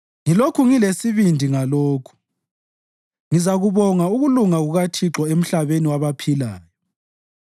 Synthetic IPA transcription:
ŋilokʰuŋilesiβindʱiŋaloːkʰu̥ | ŋizaɣuβɔŋauɣuluŋaɣuɣatʰiǁɔem̩ɬaβeniwaβapʰilaːjɔ

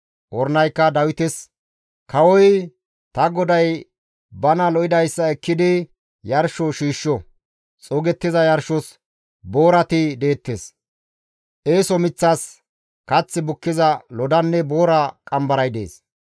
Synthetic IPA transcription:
ʔɔɾnɐjkːɐd̪ɐwɪt̪ɛs | kɐwɔj | t̪ɐɡɔd̪ɐj | bɐnɐlɔʔɪd̪ɐjsːɐɛkːɪd̪ɪ | jɐɾʃɔʃiːʃːɔ | t͡sʼɔɡɛt̪ːɪzɐjɐɾʃɔs | bo̞ːɾɐt̪ɪd̪e̞ːt̪ːeːs | ʔe̞ːsɔmɪt͡sːɐs | kɐt͡sːɪbʊkːɪzɐlɔd̪ɐnːɛboːɾɐkʼɐmbɐɾɐjd̪e̞̰ːs

